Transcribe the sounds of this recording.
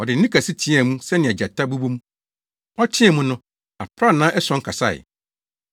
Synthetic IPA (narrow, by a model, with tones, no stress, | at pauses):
ɔ˨dɪ˨n̩˦nɪ̃˦kʰa˨si˦tʰĩ˦ɛ˨mũ˦sɛ˦nɪ̃˨ɛ˨d͡ʑa˨tʰa˦bu˦bu˦mũ˦ | ɔ˦tʰɪ̃˦ɛ˨mũ˦nʊ̃˦ | a̰˨pʰɾa˦nãː˦ʔɛ˦sɔ̃˨˦ŋ˦kʰa˨sa̰˦˨ɪ̰˨